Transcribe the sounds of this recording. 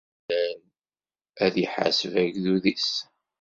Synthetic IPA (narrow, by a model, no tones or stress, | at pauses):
æl | æðjəħa̰səvæʝðuðis